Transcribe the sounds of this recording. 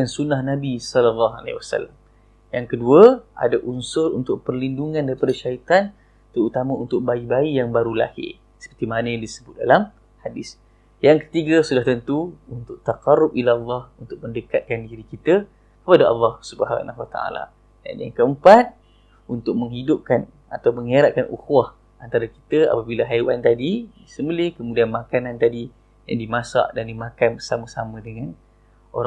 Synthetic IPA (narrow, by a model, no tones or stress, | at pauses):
dansunahnabisɔləlːɑɦa̰lḛwasa̰lːam | jaŋkəduəʔa̰daʔunsʊɾṵnt̪ʊk̚pərlinduŋãndaɾipadaʃait̪an | t̪əɾut̪amãunt̪ʊk̚baibaijaŋbaɾula̰hḭ | sə̥pərt̪imanə̃disəbʊt̪̚dalam | hadɪs | jaŋkə̥t̪iɡasudaht̪ənt̪uunt̪ʊʔ̚t̪aqɑrːʊp̚ilalːɑhunt̪ʊk̚məndəkat̪̚kandiɾikit̪ə | kəpadaɑ̰lːɑhsubəɦa̰nahwat̪a̰a̰la̰ | da̰njaŋkəəmpat̪̚ | unt̪ʊk̚məŋɦidʊp̚kan | a̰t̪awməŋeɾaʔ̪̚kanʔṵxwah | ʔant̪aɾaki̥t̪əa̰pabilaɦajwant̪adidisəmbəlɪhkəmudianmakanant̪adi | ja̰ŋdimasa̰ʔdandimakanbəsamãsamə̃dəŋan | oɾ